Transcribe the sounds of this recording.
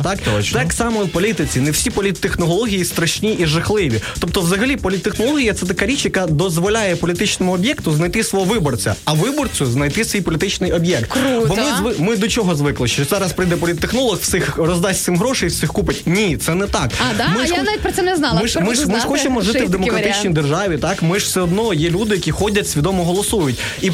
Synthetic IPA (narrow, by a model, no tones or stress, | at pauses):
t̪ɑkt͡ʃt̪ɛksɑmɔwpɔlʲit̪ɪt͡sʲinɛwsʲipɔlʲit̪ːexnɔlˠɔɦʲijist̪ɾɐʃnʲiʔiʒɐxlˠɪʋʲit̪ɔp̚t̪ɔwzɐɦɐlʲipɔlʲit̪ːexnɔlˠɔɦʲijɐt̪sɛt̪ɐkaɾʲit͡ʃjɐkad̪ɔzʋɔlʲajɛpɔlʲit̪ɪt͡ʃnɔmʊɔbʲjɛkt̪ʊznɐjt̪ɪsʋɔɦɔʋɪbɔrt͡sʲɐ̰ɐʋɪbɔrt͡sʲʊznɐjt̪ɪsʋijpɔlʲit̪ɪt͡ʃnɪjɔbʲjɛk̚t̪ɾbɔmɪzʋɪmɪd̪ɔt͡ʃɔɦɔzʋɪklˠɪʃt͡ʃɔzɑɾɐspɾɪjd̪ɛpɔlʲit̪ːexnɔlˠɔxfsɪxrɔzd̪ɑsʲt̪ɪmɦɾɔʃejiwsɪxkupɪtʲnʲit̪sɛnɛt̪ɑkmɪjnnaʋʲit̚ʲpɾɔsɛnɛznɑmɪmɪʃmɪʃxɔt͡ʃemɔʒɪɪʋd̪emɔkɾɐt̪ɪt͡ʃnʲijd̪erʒɑʋʲit̪ɑkmɪʒfsɛɔd̪nɔjɛlʲud̪ɪjɐkʲixɔdʲɐtʲsʲʋʲid̪ɔmɔɦɔlˠɔsujʊtʲ | i